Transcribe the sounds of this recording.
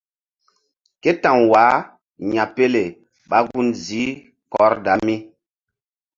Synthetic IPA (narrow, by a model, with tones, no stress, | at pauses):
ke˦tã˨ŋwa˨˦ | ɲa˨pe˦le˨ | ɓa˦ɡu˦nzi˨˦ | kɔ˨˦ɾda˨˦mi˦